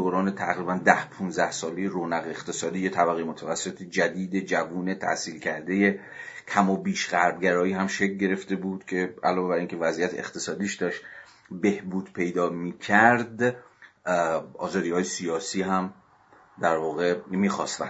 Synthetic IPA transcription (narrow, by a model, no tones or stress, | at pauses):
oːɾɒːnet̪ʰæɣɾiːbænd̪æhpʰunzæhsɒːlejeɾoːnæɣeeχt̪ʰe̞sɒːd̪iːje̞t̪ʰæbæɣejmot̪ʰævæsːet̪ʰed͡ʒæd̪iːd̪ed͡ʒævuːne̞t̪ʰæ̰hsiːlcʰæɾd̪e̞je̞ | kʰæmɒbiːʃɢæɾbɡæɾɒːiːɦæmʃeclɟe̞ɾe̞ft̪e̞buːd̪̥cʲʰe̞æ̰lɒːveæɾiːŋcʰe̞væzijæt̪ʰḛːχt̪ʰe̞sɒːd̪iːʃd̪ɒʃ | be̞hbuːd̪pʰe̞jd̪ɒːmiːcʰæɾd̪ | ɒ̰ːzɒːd̪iːhɒːjesijɒːsiːɦæm | d̪æɾvɒːɣe̞miːxɒ̰st̪væ